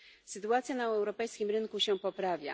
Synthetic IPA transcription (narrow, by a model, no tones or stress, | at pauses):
sɘt̪uat̪sʲjanaɛɛwɾɔpɛjskʲimɾɘŋkuɕɛpɔpɾavʲja̰